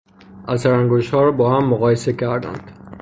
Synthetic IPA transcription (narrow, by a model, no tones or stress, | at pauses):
ʔæsæɾæŋɡoʃhɒːɾɒbɒːhæmːoɣɒːjese̞cʰæɾd̪æ̰nd̪̥